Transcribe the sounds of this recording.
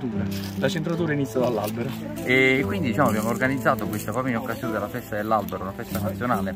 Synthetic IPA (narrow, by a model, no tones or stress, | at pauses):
t̪uːɾa | lat͡ʃent̪ɾat̪uːɾainit̪sjad̪alːalbeɾo | ɛːkːwind̪id̪it͡ʃaːmoabjaːmorɡanid̪zːaːt̪okwest̪apɔːpoinokːazjoːned̪elːafɛst̪ad̪elːalbeɾounafɛst̪anat̪sjonaːle